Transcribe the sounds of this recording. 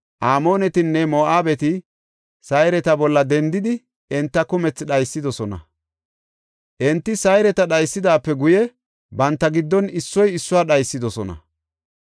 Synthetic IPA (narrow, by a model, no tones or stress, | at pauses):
ʔaːmo̞ːnɛt̪ɪnːɛmoːʔaːbɛt̪ɪ | sɐjɾɛt̪ɐbɔlːɐd̪ɛnd̪ɪd̪ɪ | ɪnt̪ːɐkʊmɛt͡sːɗɐjsːɪd̪ɔsɔnɐ̰ | ʔɛnt̪ːɪsɐjɾɛt̪ɐɗɐjsːɪd̪aːpːɛɡʊjɛ | bɐnt̪ːɐɡɪd̪ːɔnɪsːɔjɪsːʊwaːɗɐjsːɪd̪ɔsɔnɐ̰